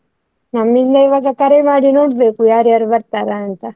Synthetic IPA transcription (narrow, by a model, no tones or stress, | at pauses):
namːind̪ajʋaɡakɐɾemaːɽinoʈbekujaːɾiaɾʋɐɾt̪aɾant̪a